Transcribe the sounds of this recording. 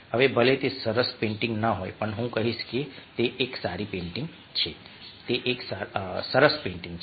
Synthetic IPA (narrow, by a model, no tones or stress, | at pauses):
ɐʋebɐlet̪esɐɾəspẽːɳʈɪ̃ŋɡnɐɦoːḛpɐɳɦũkɐɦisket̪eʔeːksaːɾipẽːɳʈɪ̃ŋɡ | t͡ʃʰeː | t̪eʔeːksaːsɐɾəspẽːɳʈɪ̃ŋɡt͡ʃʰ